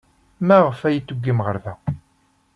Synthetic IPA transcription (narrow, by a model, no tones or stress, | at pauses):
mæʁəfæjit͡sːuɡːimʁəɾðæ